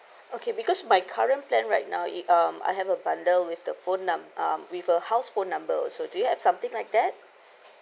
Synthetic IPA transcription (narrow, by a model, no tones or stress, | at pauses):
okʰebikɔsmajkʰaɹə̃nplɛ̃nɹaɪt̚na̰ʊʌ̃ma̰ɪjɦɛvəbãndəlwifdəfõnːãmʔʌ̃mwifəhaʊsfõnːãmbə̰sodujuhɛvsãmt̪ɪ̃ŋlajk̚d̪ɛt̚